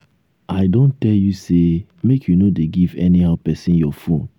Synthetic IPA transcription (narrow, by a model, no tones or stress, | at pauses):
aɪdõntɛljusemekʰjunodeɡivɛnihaʊpɛsĩnjɔfũn